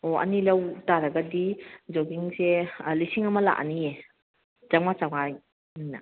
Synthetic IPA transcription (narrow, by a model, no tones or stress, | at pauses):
oɐ̰nilɐwtaɾɐɡɐdid͡ʒoɡiŋselisiŋɐmɐla̰ʔnije | d͡ʒaŋmat͡ʃaŋmaj | manːɐ̰